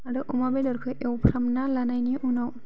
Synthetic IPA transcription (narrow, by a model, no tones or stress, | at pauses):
aɽɯʔɔmabɛdɔɾkʰɯjʔewpʰɾamnalanajnijʔunaw